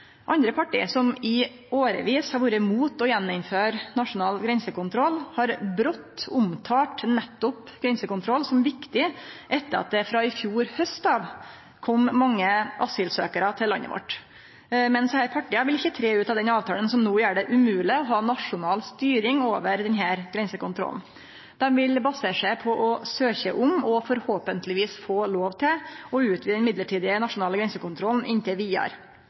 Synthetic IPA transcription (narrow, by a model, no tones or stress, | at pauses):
ʔɑnd̪ɾəpʰɑʈḭːsɔmɪ | oːɾə̰ʋiːshɑɾʋuːɾəmuːt̪ɔjɛnːʊmføːɾnɑʂʊnɑːlɡɾɛnsəkʊnt̪ʰɾɔlːhɑɾbɾɔt̪ːʊmt̪ʰɑːʈnɛt̪ːʊp | ɡ̥ɾɛnsəkʊnt̪ʰɾɔlsɔmʋɪkt̪ɪʔɛt̪ːəɾɑ̰t̪̚d̪ɛfɾɑɪfjuːɾhœst̪ɑːʋ | kʰɔmːɑŋːəʔɑsɪlsøːkəɾɑt̪ʰɪlːɑ̰nːə̰ʋɔ̰ʈː | mɛnshæːɾpʰɑʈːiːɑʋɪlɪçːət̪ʰɾeːʉːt̪ɑʋd̪ɛnɑːʋt̪ʰɑːlənsɔmnuːjæːɖɛʔʉmʉːlɪɔɦɑːnɑʂʊnɑːlst̪yːɾɪŋoːʋəɾd̪ɛnɦæːɾɡ̥ɾɛnsəkʊnt̪ʰɾɔ̰ln̩ | d̪̥ɛmʋɪlbɑsəʂæɪpʰɔʔɔsøːçəʔʊmɔfɔɾhoːpənt̪lɪʋiːsfoːloːʋt̪ʰɪlɔʉːt̪ʰʋiːd̪ɛnmɪd̪ləʈiːd̪ɪənɑʂʊnɑːləɡɾɛnsəkʊnt̪ʰɾɔln̩ʔɪnt̪ɪlʋiːɑ̰ɾ